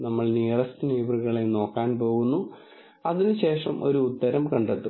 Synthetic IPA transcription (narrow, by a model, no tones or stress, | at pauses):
nɐmːɐɭniːɐrɐstineːbrɨɣɐɭeno̞ːkːaːnpo̞ːɣunːu | ɐðinɨɕe̞ːʂɐmʔo̞̰ɾuːt̪ːɐɾɐmkɐɳɖet̪ːu